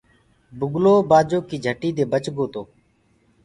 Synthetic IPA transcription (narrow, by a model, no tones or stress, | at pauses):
bʊɡloːbaːd͡ʒoːkiːd͡ʒʱəʈiːd̪eːbət͡ʃɡoːt̪oː